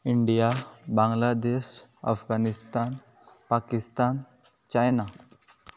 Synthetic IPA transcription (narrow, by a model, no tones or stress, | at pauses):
iɳɖijabãŋɡlad̪eɕa̰fɡanist̪an | pakist̪an | t͡ɕajna